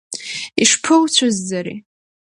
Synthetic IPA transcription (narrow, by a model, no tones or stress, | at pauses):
iʂpʰɨwt͡ɕʷʰʊzːaɾḭ